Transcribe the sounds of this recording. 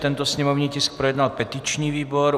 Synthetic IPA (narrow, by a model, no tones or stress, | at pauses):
t̪ɛnt̪ɔsɲɛmɔʊniːcisk̚pɾɔjɛd̪nalpɛt̪it͡ʃniːʋiːbɔɾ